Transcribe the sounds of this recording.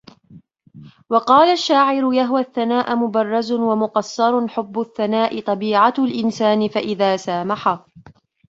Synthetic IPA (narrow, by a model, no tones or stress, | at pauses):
wɑqɑːlaʃːaːʕɪɾʊjaɦwaθːanaːʔmʊbɑrˤːɑzwamʊqɑsːɑɾˤħʊbːʊθːanaːʔɪt̪ˤɑbiːʕalʔɪnsaːnɪfaʔɪðaːsaːmaħa